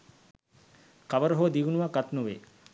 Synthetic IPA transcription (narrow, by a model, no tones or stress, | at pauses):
kaʋəɾəɦod̪iʋunuʋaɡat̪nuʋḛ